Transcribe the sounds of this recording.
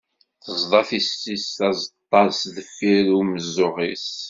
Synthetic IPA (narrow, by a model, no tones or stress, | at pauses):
θəzd̪ˤɑθisisæzt̪ˤːɑɾsðəfːiɾuməzːoʁis